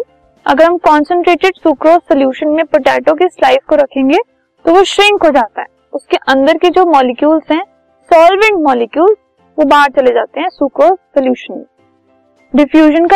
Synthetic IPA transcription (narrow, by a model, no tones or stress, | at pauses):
ɐ̰ɡəɾɦɐmkɔːnsə̃ɳʈɾeːʈɪɖsuːkɾoːsːɐljuːʃənmẽpɐʈɛːʈõk̬eslaːɪfkoɾɐkʰẽːŋɡe | t̪oʋoʃɾɪ̃ŋkɦod͡ʒaːt̪aɦɛːʊskeʔɐ̃nd̪əɾked͡ʒoːmɔːlɪkjuːlzɦɛ̃ | sɔːlʋẽɳʈmɔːlɪkjuːlz | ʋobaːɾt͡ʃɐled͡ʒaːt̪eɦɛ̃sukɾoːzsɐljuːʃənmḛ̃ | ɖɪfjuːʒənka